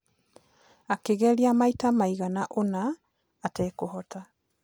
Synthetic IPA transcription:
akeɣɛɾiamaitamaiɣanaʔonaː | tɛkohɔta

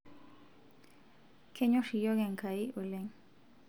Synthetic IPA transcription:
kʰeɲoʃijoɣeŋkʰaiʔuleŋ

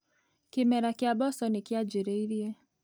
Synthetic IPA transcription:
kɪmɛɾakɪabɔsɔnɪkiad͡ʒiɾɛiɾiɛ

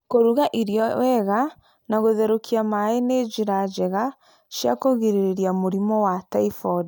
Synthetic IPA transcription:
koɾuɣaʔiɾiɔwɛɣa | naɣoðɛɾokʰiamaened͡ʒiɾad͡ʒɛɣa | ʃjakoɣeɾeɾeɾiamoɾimɔwataifɔdi

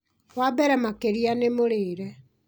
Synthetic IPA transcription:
wabɛɾɛmakeɾianemoɾeːɾɛ

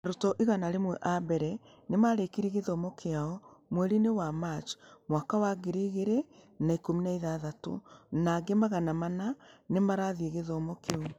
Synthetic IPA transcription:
aɾotɔʔiɣanaɾemwɛʔabɛɾɛ | nemaɾekiɾieɣeðɔmɔkʰeaɔmwɛɾinewamat͡ʃmwakawaɡeɾiɣeɾe | naikominaiðaðato̰naɡemaɣanamananemaɾaðieɣeðɔmɔkeo

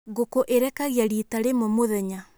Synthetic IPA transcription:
ɣokoʔeɾɛkaɣjaɾitaɾemomoðɛɲa

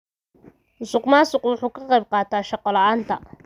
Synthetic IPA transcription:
ʊsʊqmaːsʊqwʊħuːkʰɐqɑjb̚qɑːt̪ʰaːʃɑqɔlɑaːnt̪ʰɐ̰

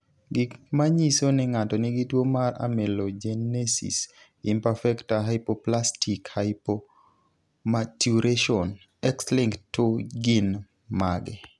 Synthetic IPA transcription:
ɡɪkmaɲisonɪŋatɔnɪɡitwomaɾa̰mɛlod͡ʒenesḭs | impafɛktaɦaɪpoplastikhaɪpo | matjuɾeʃɔn | ɛksliŋktːuɡin | maɡɛ

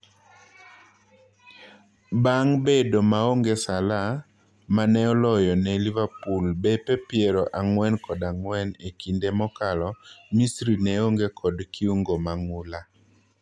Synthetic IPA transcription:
baŋbedomaoŋɡesala | manɛɔlɔjɔnɛlivapulbɛpɛpɪeɾɔʔaŋwɛnkɔdaŋwɛnekindemɔkalɔmisɾinɛoŋɡekʰɔdkiuŋɡomaŋʊla

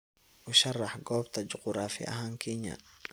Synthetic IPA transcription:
ʔʊʃɐrɑħɡɔːbt̪ʰɐt͡ʃɔqɾaːfɪ̰ʔɐ̰ɦaːŋkʰɛɲɐ̰

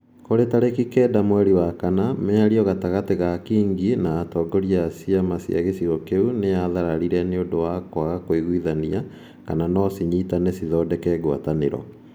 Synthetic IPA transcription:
koɾetaɾekikɛdamwɛɾiwakanameaɾiɔɣataɣateɣakiːŋɡinaːtɔːɡɔɾiasiamasia̰ɣesiɾɔkeuneaðaɾaɾiɾɛneondowakwaɣakoiɣuiðania | kananɔsiɲitanɛsiðɔdɛkɛɡwa̰tanḛɾɔ̰

